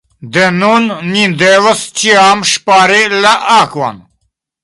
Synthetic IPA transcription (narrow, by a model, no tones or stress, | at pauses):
d̪enonːind̪ewɐst͡ɕiaːmʃpaːɾelɐʔaːkwa̰n